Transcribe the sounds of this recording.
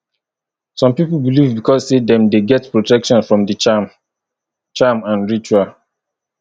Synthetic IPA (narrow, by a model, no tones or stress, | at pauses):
sɔ̃mpipl̩bilivbikʰɔssedɛ̃mdeɡɛtpɹotɛkʃɔ̃nfɹɔ̃mdət͡ʃam | t͡ʃamãnɹit͡ʃua